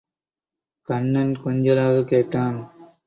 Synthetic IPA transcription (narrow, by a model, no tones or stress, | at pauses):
kɐɳːɐnkɔɲd͡ʒɐlaːɣɐkeːʈːaːn